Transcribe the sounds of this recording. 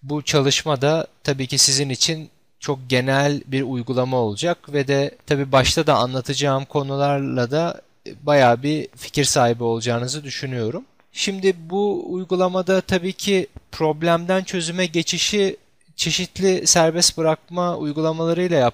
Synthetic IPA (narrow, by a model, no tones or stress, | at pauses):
but͡ʃʰalˠɯʃmad̪at̪ʰabiːcisizinit͡ʃʰin | t͡ʃʰo̞k̚ɟe̞nælʲbiɾujɡulˠamao̞lˠud͡ʒakvɛd̪ɛt̪ʰabiːbaʃt̪ʰad̪aanlˠat̪ʰɯd͡ʒaːɯmkʰo̞nulˠaɾlˠad̪a | bajaːbifi̥cʰiɾsaːɦibio̞lˠud͡ʒaːnɯzɯd̪yʃynyjo̞ɾum | ʃimd̪ɪbuːjɡulˠamad̪at̪ʰabiːcʰɪpʰɾo̞blʲæmd̪ænt͡ʃʰø̞zymɛɟe̞t͡ʃʰiʃi | t͡ʃʰe̞ʃit̪lʲɪsæɾbɛst̪bɯɾak̚maṵjɡulˠamalˠaɾɯjlˠaja